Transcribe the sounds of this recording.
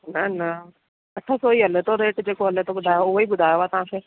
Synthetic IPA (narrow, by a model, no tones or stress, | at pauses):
nɐnɐ | ɐʈʰːasoiɐlet̪oɾeːʈd͡ʒeːkoɦɐlet̪obʊd̪ʱaːjoibʊd̪ʱaːjʋat̪ɐɦãːse